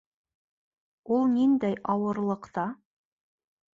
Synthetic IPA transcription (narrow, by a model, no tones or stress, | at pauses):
ulˠnind̪æjʔɑwɤ̆ɾlˠɤ̆qt̪ɑ